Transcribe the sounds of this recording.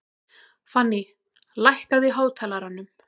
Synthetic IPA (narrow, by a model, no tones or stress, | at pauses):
fanːi | lajhkaðiɦaːwt̪ʰɛːlaɾanːʏm